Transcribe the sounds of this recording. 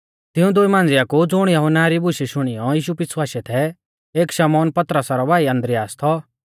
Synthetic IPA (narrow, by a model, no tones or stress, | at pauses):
t̪ɪũd̪ʊimãːnd͡zɪjakud͡zʊɽ̃jɐɦʊnaɾibʊʃiʃʊɽ̃ɪjɔjiːʃupɪswaːset̪ʰɛ | eːkʃɐmɔːnpɐt̪ɾəsaɾɔbaːiɐ̃nd̪ɾɪjaːst̪ʰɔ